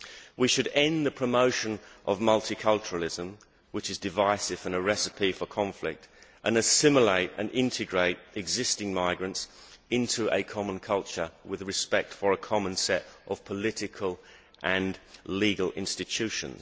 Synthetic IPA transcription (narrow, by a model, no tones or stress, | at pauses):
wiʃɨɾɛ̃nðəpʰɹ̥əmoʊʃɨ̃nʔəvmʌlˠtʰikʰʌlˠt͡ʃəɹəl̩ˠɪzə̃m | wɨt͡ʃɨzdɨvaɪsɨvə̃nəɹɛsɨpʰifə˞kʰɑ̃ɱflɪ̰k̚tʔə̃nɨsɪ̃məleɪɾɨ̰̃nɪ̃ntʰɨɡɹeɪɾɨɡzɪstɪ̃ŋmaɪɡɹɨ̃ntsɪ̃ntʰuʔəkʰɑmə̃nkʰʌlˠt͡ʃə˞wɪðɹɨspɛk̚tfə˞əkʰɑmə̃nsɛɾʔəv̥pʰəlɪɾɨkʰəlˠ | ʔə̃nliɡəl̩ˠɪ̰̃nstɨtʰʉʃɨ̰̃nz